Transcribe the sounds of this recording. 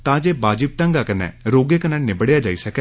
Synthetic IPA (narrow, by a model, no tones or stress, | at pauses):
t̪ãːd͡ʒeːbaːd͡ʒɪp̚ʈəŋɡakənɛ̰̃ːɾoːɡeːkənɛ̃ːnɪbəɽjaːd͡ʒaːiːsəkɛː